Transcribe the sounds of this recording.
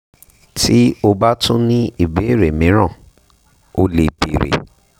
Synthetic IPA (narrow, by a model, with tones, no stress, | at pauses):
ti˦o˧ba˦tũ˦nĩ˦i˨be˨˦˨ɾe˨mĩ˨˦ɾ̃ã˦˨ | o˦le˨bi˨ɾḛ˨